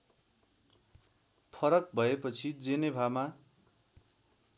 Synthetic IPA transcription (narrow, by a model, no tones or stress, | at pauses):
pʰʌɾʌk̚bʱʌepʌt͡sʰid͡zenebʱama